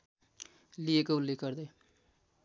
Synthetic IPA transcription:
liekoulːekɡʌɾd̪ʌj

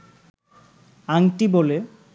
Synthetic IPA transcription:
aŋʈibole

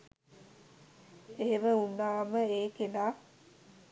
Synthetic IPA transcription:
eːʋəunːaːməeːkenaː

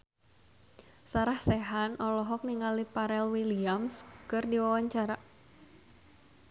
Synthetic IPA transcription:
saɾahsɛɦanɔlɔɦɔk̚niŋalipaɾɛlwiliamskɨrdiwawaɲt͡ʃaɾa

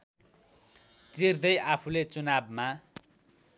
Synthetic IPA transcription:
t͡sird̪ʌjapʰulet͡sunabma

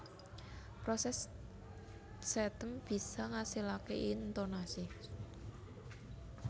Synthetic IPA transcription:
pɾɔsɛs | sɛt̪əmb̥i̤saŋasilakeʔint̪onasi

